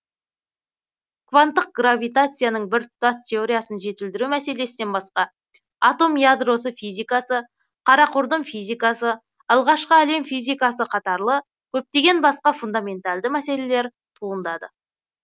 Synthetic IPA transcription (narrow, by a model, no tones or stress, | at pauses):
kʰvant̪ːəq̚ɡravʲijt̪at̪sɨjanəɴbɪɾt̪ʊast̪ʲʰe̞o̞ɾʲijasənʒe̞t̪ɪld̪ɪɾumæse̞le̞sɪne̞nbɑsqɑ | at̪o̞mjad̪ro̞s̬əfijzʲijkasə | qʰɑɾɑqʰʊɾd̪əmfijzʲijkasə | ɑlˠʁɑʃqəæle̞mfijzʲijkasəqʰɑt̪ɑɾlˠə | kʲʰɵp̚t̪e̞ɡʲe̞nbɑsqɑfund̪amʲe̞nt̪alˠd̪əmæse̞le̞le̞ɾ | t̪ʰuənd̪ɑd̪ə̰